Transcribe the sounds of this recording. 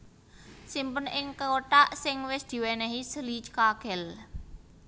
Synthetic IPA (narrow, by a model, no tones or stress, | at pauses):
simpənʔɪŋkəoʈaʔsɪŋwɪsd̪̥i̤wɛnɛɦisəlit͡ʃkaɡ̥ɛ̤l